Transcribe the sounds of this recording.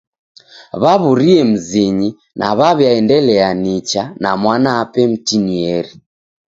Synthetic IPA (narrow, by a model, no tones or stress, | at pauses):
βaβuɾiɛm̩ziɲi | nʔaβaβjaɛndɛlɛanit͡ʃanamwanaːpɛm̩tiniɛɾi